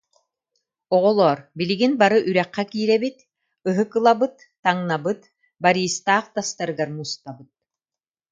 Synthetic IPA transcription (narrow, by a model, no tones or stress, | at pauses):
ɔʁɔlˠɔːɾbiliɡinbaɾɯʔyɾɛqːɛkiːɾɛbit̪ | ɯɦɯkɯlˠabɯt̪ːaŋnabɯt̪ | baɾiːst̪aːχt̪ast̪aɾɯɡaɾmuːst̪abɯt̪̚